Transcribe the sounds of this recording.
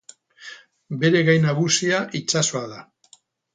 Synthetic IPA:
be̞ɾe̞ɣajnaβusiaʔit͡ʃasoaða

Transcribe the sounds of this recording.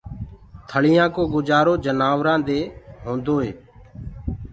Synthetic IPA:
t̪ʰəɭɪjãːkoːɡʊd͡ʒaːɾoːd͡ʒənaːʋɾãːd̪eːɦõːnd̪oːɦeː

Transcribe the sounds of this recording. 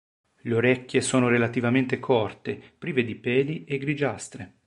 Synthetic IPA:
leoɾɛkʲːjesoːnoɾelat̪ivament̪ekʰɔrt̪epɾiːved̪ipɛːd̪ieɡɾid͡ʒast̪ɾe

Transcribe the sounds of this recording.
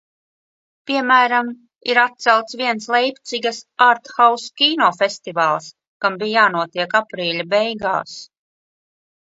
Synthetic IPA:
piɛmæːɾam | ḭɾat̪̚t̪sɛlˠt̪sviɛnslˠɛjpʲt̪siɡasaɾt̪xawskʲiːnɔːfest̪ivaːlˠs | kambiːjaːnuɔt̪iɛkapɾiːlʲabɛjɡa̰ːs

